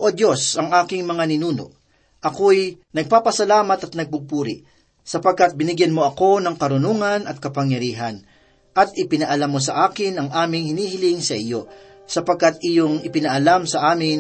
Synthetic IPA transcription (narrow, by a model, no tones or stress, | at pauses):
ʔod̪jo̞sɐŋʔaːkɪŋmɐŋanɪnuːno̞̰ʔ | ʔɐkojnɐɡ̚paːpɐsɐlaːmɐt̪ɐt̪̚nɐɡ̚bʊɡ̚puːɾɪ̰ʔ | sɐpɐɡ̚kat̪̚bɪnɪɡjɐnmoʔɐko̞nɐŋkɐɾʊnoŋɐnɐt̪̚kɐpɐŋjɐɾiːɦɐn | ʔɐt̪ʔɪpɪnɐʔɐlamːos̬ɐʔaːkɪnɐŋʔaːmɪŋhɪniːhɪlɪŋsɐʔɪjo̞ | sɐpɐɡ̚kat̪̚ʔijoŋɪpɪnɐʔɐlamsɐʔaːmɪn